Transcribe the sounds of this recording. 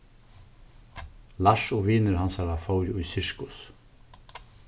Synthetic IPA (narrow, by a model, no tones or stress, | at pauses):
laʂɔʋiːnɪɾɦansaɾafɔwɾɪʊjsɪɹkʊs